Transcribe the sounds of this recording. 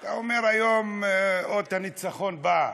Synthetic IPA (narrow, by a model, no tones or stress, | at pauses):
t̪aomeʁajomod̪̚anit͡saχo̞nba